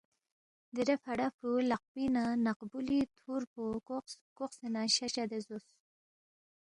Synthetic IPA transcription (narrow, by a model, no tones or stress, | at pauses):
d̪iɾefaɽafɾulaq̚binanaqbulit̪ʰuɾpokoqsenaɕat͡ʃad̪ezos